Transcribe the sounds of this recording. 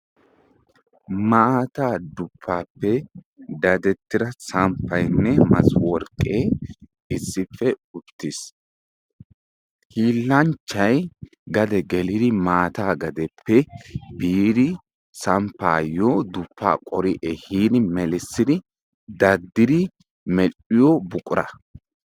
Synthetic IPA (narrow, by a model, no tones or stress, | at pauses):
maaːt̪aːd̪ʊpʰːaːpːɛ | d̪ɐd̪ɛt̪ːɪɾɐsɐmpʰːɐjnːɛmɐ̰swɔɾkʼːeː | ɪsːɪpːɛʊt̪ːɪs | hiːlːɐnt͡ʃːɐj | ɡɐd̪ɛɡɛlɪd̪ɪmaːt̪aːɡɐd̪ɛpːɛbiːd̪ɪ | sɐmpːaːjɔd̪ʊpːa̰ːkʼɔɾɪʔɛhiːd̪ɪmɛlɪsːɪd̪ɪ | d̪ɐd̪ːɪd̪ɪ | mɛlʔɪjɔbʊkʼʊɾɐ̰